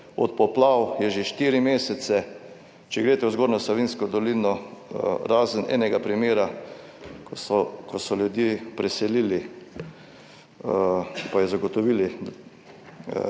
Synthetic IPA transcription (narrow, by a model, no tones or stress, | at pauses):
ɔ̰t̪̚pɔplawjɛʒeʃt̪iːɾimeːsɛt̪sɛ | t͡ʃɛɡɾeːt̪ɛuzɡoːɾnɔslɔʋinskɔd̪ɔlinɔ | ɾaːzənʔɛ̰ːnɛɡapɾimeːɾa | kɔsɔljud̪jeːpɾɛsɛliːli | pajɛzaɡɔt̪ɔʋiːli